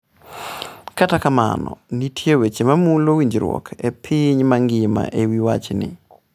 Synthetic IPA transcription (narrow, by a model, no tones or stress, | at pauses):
katakama̰nɔ̰nitʰjewet͡ʃemamulowiɲd͡ʒɾwɔ̰kʰepʰɪɲmaŋɡɪma̰ʔewiwa̰t͡ʃnɪ̰